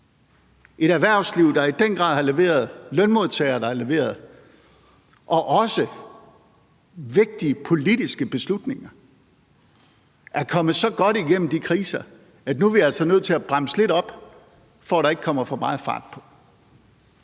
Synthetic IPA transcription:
ʔe̝ɾæɐʋæɐ̰sliʊ̰d̥ɑ̈id̥enɡ̥ʁɑ̈ðˠhɑ̈le̝ʋe̝̰ːɐð̞ˠlœnmo̝ð̞ˠt͡sʰɛ̰ːɪɐɾ̥ɑ̈æɐle̝ʋe̝̰ːɐð̞̩ˠ | ʔɒ̽ʔɒ̽sə | ʋe̝ɡ̥̚d̥iəpʰo̝lidisɡ̥əb̥e̝slud̥ne̝ŋɐ | ʔæɐkʰɒ̽mð̩ˠsɒ̽ɡ̥ɒ̽ɾ̥iɡ̥en̰m̩d̥ikʰʁiːsɐ | æd̥nuʋiælsɒnøð̰ˠt͡sʰe̝læb̥ʁɑm̰əsle̝ɾɒ̽b̥ | fɒɾ̥ɑ̈e̝ɡ̥ə̥kʰɒ̽m̰ɐfɒ̽mɑ̈ːð̩ˠfɑ̰̈ːd̥̚pʰɒ̽

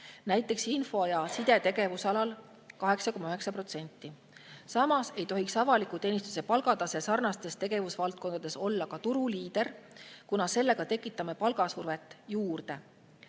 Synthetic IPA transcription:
næjt̪ːˑe̞ksinfo̞jɑsid̪̥e̞t̪e̞ɡe̞vusɑlɑl | kɑɦe̞ksɑko̞mːɑyɦe̞ksɑpro̞t̪se̞nʲt̪ˑːi | sɑmɑse̞jt̪o̞ɦiksɑvɑlikut̪e̞ːnist̪u̥se̞pɑlɡ̥ɑd̪ɑsesɑrnɑst̪e̞st̪e̞ɡe̞vusvɑlt̪̚ko̞nd̪ɑd̪e̞so̞lːɑkɑt̪uɾuliːd̪̥e̞rkunɑse̞lːe̞ɡ̥ɑt̪e̞kːˑit̪ːˑɑme̞pɑlɡ̥ɑsurve̞t̪ːˑjuːrd̪̥e̞

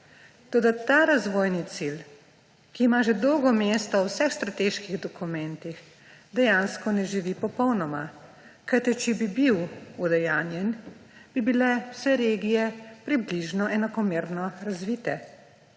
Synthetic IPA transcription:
t̪oːd̪at̪aːɾazʋoːjnit̪sil | kiːmaʒɛd̪ɔwɡɔmeːst̪ɔwsɛxst̪ɾat̪eʃkiɣd̪ɔkumɛnt̪ix | d̪ɛjanskɔnɛʒiʋipɔpɔwnɔma̰ | kajt̪it͡ʃɛbibiwud̪ɛjaːnjɛnb̥ibilɛwsɛɾeːɡijɛpɾibliʒnɔʔɛnakɔmeːɾnɔɾazʋit̪ɛ

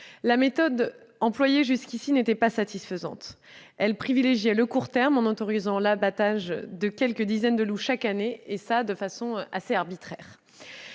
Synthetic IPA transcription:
lamet̪ɔd̪ | ɑ̃plwajeʒyskʲisinet̪ɛpasat̪isfəzɑ̰̃t̪ | ɛlpχivileʒjɛləkuʁt̪ɛʁmɑ̃not̪ɔʁizɑ̃labat̪aʒd̪əkʲɛlkəd̪izɛnd̪əluʃakaneːsad̪əfasɔ̃ʔaseaʁbit̪χɛːʁ

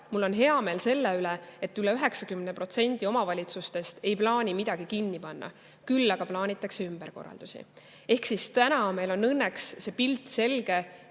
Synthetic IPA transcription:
mulːo̞nɦe̞ɑmeːlse̞lːeyleet̪ːˑyleyɦe̞ksɑkymnepro̞t̪se̞nʲd̪̥io̞mɑvɑlʲit̪sust̪e̞st̪e̞jplɑːnʲimid̪̥ɑɡ̥ikinːipɑnːɑ̰ | kylːɑɡ̥ɑplɑːnʲit̪ːˑɑkseymb̥eɾko̞̰rːɑ̰ld̪̥usḭ | e̞hksist̪ænɑme̞jlo̞nːɤnːeksse̞pilt̪ːˑse̞lɡ̥e̞

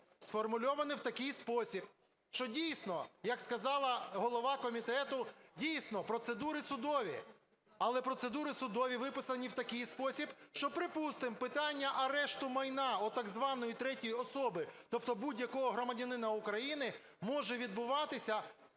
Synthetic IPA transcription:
sfɔrmʊlʲɔʋɐnɪwt̪ɐkɪjspɔsʲib | ʃt͡ʃɔdʲijsnɔjɐkskɐzɑlˠɐɦɔlˠɔʋɑkɔmʲit̪ɛt̪ʊdʲijsnɔpɾɔt̪sed̪uɾɪsʊd̪ɔʋʲi | ɐlˠɛpɾɔsed̪uɾɪsʊd̪ɔʋʲiʋɪpɪsɐnʲiwt̪ɐkɪjspɔsʲibʃt͡ʃɔpɾɪpust̪ɪmpɪt̪ɑnʲːɐʔɐɾɛʃt̪ʊmɐjnɑɔt̪ɐɡzʋɑnɔjit̪ɾɛtʲijɔsɔbɪt̪ɔpt̪ɔbudʲjɐkɔɦɔɦɾɔmɐdʲɐnɪnɐukɾɐjinɪ | mɔʒɛʋʲid̪̚bʊʋɑt̪ɪsʲɐ

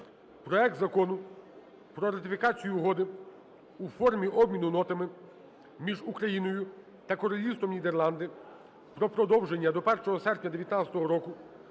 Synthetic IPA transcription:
pɾɔɛk̚t̪zɐkɔnʊ | pɾɔɾɐt̪ɪfʲikɑt͡sʲijuɦɔd̪ɪ | ufɔrmʲiʔɔbmʲinʊnɔt̪ɐmɪ | mʲiʒukɾɐjinɔjʊ | t̪ɐkɔɾɔlʲist̪ɔmnʲid̪erlˠɑnd̪ɪ | pɾɔpɾɔd̪ɔwʒenʲːɐd̪ɔpɛrʃɔɦɔsɛrpʲnʲɐd̪eʋjɐt̪nat͡sʲɐ̥t̪ɔɦɔɾɔkʊ

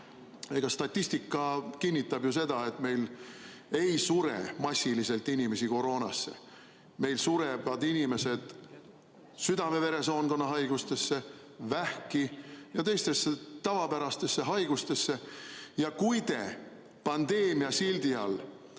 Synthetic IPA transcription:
e̞ɡ̥ɑst̪ɑt̪ʲːˑist̪ikːˑɑkinʲːit̪ːˑɑbjuse̞d̪̥ɑe̞t̪me̞jl | e̞jsuɾḛmɑsʲːilise̞lt̪ːinʲime̞siko̞ɾo̞ːnɑsːe̞̰ | me̞jlsuɾevɑd̪inime̞se̞d̪̥ | syd̪ɑme̞ve̞ɾe̞so̞ːnko̞nːɑɦɑjɡ̥ust̪e̞sːe̞ | væhkijɑt̪e̞jst̪e̞sːet̪ɑvɑpæɾɑst̪e̞sːe̞ɦɑjɡ̥ust̪e̞sːejɑkujd̪e̞ | pɑnd̪̥e̞ːmiɑsild̪iɑl

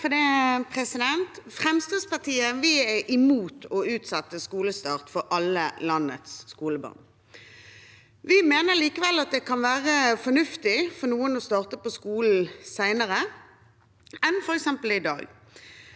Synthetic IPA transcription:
fɔd̪iːpʰɾɛsɪd̪ɛnt̪fɾɛmst̪ɑːd̪spɑʈ̪iːəʋɪɛʔɪmuːt̪ʰɔʉːt̪sɑt̪ːəskuːləst̪ɑːʁt̪fɔɾʔɑləlɑnːə̰t̪sskuːləbɑ̰ʁn | ʋɪmeːnəliːkəʋɛlːɑt̪̚d̪ɛkʰɑnʋæːʁəfɔnʉft̪ɪfɔnuːənɔst̪ɑːʁt̪əpɔskuːln̩sæɪnəɾə | ɛnfɔɾɛksɛmpəlɪd̪ɑ̰ːɡ

